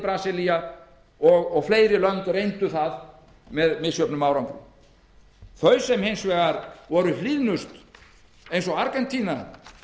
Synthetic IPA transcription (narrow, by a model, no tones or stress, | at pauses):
pɾaːsilia | ɔɣɔɣfleːjɾɪlœnt̪ʏrejnt̪ʏθað | mɛðmɪsjœpnʏmaːwɾawŋkɾʏ̰m | θœɥsɛmhejnsvɛːɣaɾvɔɾʏlliðnʏst̪ | ejnsɔaɾkɛnt̪ʰiːna